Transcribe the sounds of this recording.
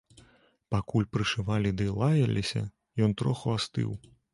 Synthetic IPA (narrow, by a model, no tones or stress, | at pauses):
pakulʲpɾɨʂɨvalʲid̪ɨlˠajɐlʲʔisʲɐ̰ | jɔnt̪ɾɔxuast̪ɨ̰w